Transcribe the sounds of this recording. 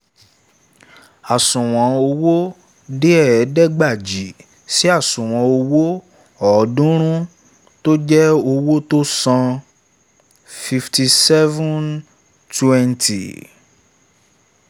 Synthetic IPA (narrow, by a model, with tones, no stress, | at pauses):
a˨sũ˨w̃ɔ̃˨˦o˧wo˦ | de˦ɛ˦˨ɛ˨˦dɛ˦ɡ͡ba˦˨d͡ʒi˨ | si˦a˦˨sũ˨w̃ɔ̃˨˦o˧wo˦ | ɔ˨˦dũ˦ɾ̃ũ˦ | to˦d͡ʒɛ˦o˧wo˦to˦sã˧ | fi˧fti˧sɛ˦vɔ̃˦n | tʰu˦ɛ˦ntʰḭ˨